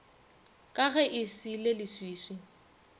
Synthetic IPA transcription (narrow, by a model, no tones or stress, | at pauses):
kʼaɣɛʔɪsilelɪswiːswɪ